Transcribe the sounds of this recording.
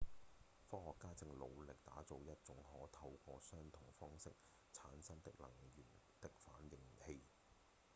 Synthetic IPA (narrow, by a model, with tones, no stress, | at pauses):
fɔː˥hɔː˨kːaː˥t͡sɪ˧ŋlo̰˨˧wlɪ˨k̚t̪aː˨˥t͡so˨˧wjɐ˥t̚t͡sʊ˨˥ŋhɔː˨˥t̪ʰɐ˧wkɔː˧sœː˥ŋt̪ʰʊ˨˩ŋfɔː˥ŋsɪ˥k̚ | t͡sʰaː˨˥nsɐ˥nt̪ɪ˨k̚lɐ̰˨˩ŋɥyː˨˩nt̪ɪ˨k̚faː˨˥njɪ˨˩ŋhe˧j